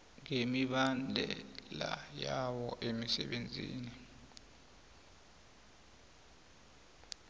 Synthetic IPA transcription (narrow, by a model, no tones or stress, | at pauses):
ŋemiɓand͡ɮʱɛla̰jawɔʔemisɛɓend͡zʱḭːni